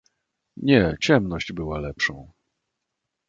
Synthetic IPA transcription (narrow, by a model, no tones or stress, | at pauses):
ɲɛt͡ɕɛmnɔʑd͡ʑbɘwalɛpʂɔ̃w̃